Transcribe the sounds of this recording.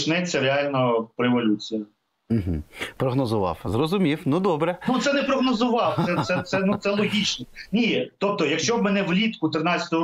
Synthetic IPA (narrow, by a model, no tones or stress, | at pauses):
t͡ʃnɛt͡sʲːɐɾeɑlʲnɔpɾeeʋɔlʲut͡sʲijɐ | m̩ɦ̩pɾɔɦnɔzʊʋɑ̰wzrɔzʊmʲiwnud̪ɔbɾɛnut̪sɛnɛpɾɔɦnɔzʊʋɑwt̪sɛt̪sɛt̪sɛnut̪ɛlˠɔɦʲit͡ʃnɛnʲit̪ɔp̚t̪ɔjɐkʃt͡ʃɔbmɛnɛwlʲit̪kʊt̪ɾɪnɑt͡sʲɐ̥t̪ɔɦɔ